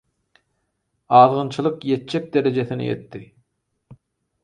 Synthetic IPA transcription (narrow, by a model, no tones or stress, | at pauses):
ɑːðʁɯnt͡ʃʰɯlˠɯqjet̪̚t͡ʃek̚d̪eɾed͡ʒeθinḭjḛt̪ːi